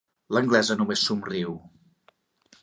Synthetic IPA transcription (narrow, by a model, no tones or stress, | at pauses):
ləŋɡlɛzənumesːumriw